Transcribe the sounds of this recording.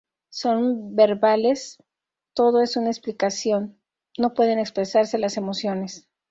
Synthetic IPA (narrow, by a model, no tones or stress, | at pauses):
so̞nbe̞ɾβale̞s | t̪o̞ðo̞e̞sunaeksplikasjo̞nː | o̞pwe̞ðe̞ne̞kspɾe̞saɾse̞lase̞mo̞sjo̞ne̞s